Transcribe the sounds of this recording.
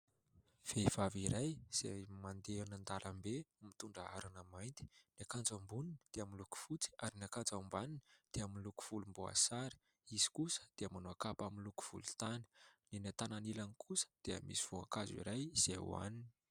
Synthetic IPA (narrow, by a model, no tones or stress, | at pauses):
v̥ev̥aviɾajz̥ḛmand̪eanənd̪alʔambemit̪uɳɖ͡ʐəa̰ɾanəmajnt̪i̥nakand͡zambunini̥d̪̥eaminluku̥fut͡si̥aɾinakand͡zambanini̥d̪̥eaminluku̥v̥ulumboa̰saɾi̥ | izi̥kusə̥d̪̥eəmanoakapaminluku̥v̥ṵlut̪anə̥ninat̪ananilanikʰusə̥d̪̥eə̰misi̥v̥oa̰kazḭɾajz̥eṵa̰nini̥